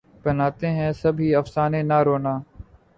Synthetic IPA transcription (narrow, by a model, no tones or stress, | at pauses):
bənaːt̪eːɦɛ̃ːsɐbʱiːəfsaːneːnaːɾoːnaː